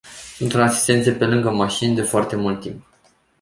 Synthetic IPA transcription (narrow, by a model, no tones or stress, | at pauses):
sunt̪unasi̥st̪e̞nt̪sepe̞lɨŋɡəmaʃinʲd̪e̞foart̪e̞mult̪ːimp̚